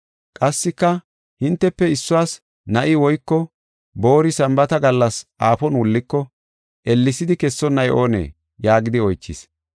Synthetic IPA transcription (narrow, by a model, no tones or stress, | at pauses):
kʼɐsːɪkːɐ | hɪnt̪ːɛpːɛɪsːʊwaːs | nɐʔɪwɔjkːɔ | bo̞ːɾɪsɐmbɐt̪ɐɡɐlːɐsʔaːfɔnwʊlːɪkːɔ | ʔɛlːɪsɪd̪ɪkɛsːɔnːɐjʔo̞ːnḛː | jaːɡɪd̪ɪɔjt͡ʃːɪ̰s